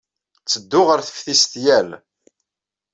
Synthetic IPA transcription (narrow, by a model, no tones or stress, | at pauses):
t͡sːəd̪ːʊʁəɾθə̥fθist̪jæl